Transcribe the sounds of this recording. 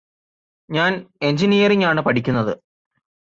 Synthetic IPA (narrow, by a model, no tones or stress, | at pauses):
ɲaːne̞ɲd͡ʑinijɐriɲaːɳɨpɐʈʰikʲːunːɐðɨ